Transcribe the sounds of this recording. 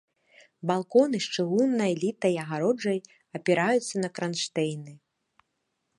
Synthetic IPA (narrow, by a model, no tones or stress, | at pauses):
balˠkɔnɨʂt͡ʂɨɣunːɐjlʲit̪ɐjɐɣaɾɔd͡ʐɐj | ɐpʲɛɾajut̪sːɐnɐkɾanʂt̪ɛjnɨ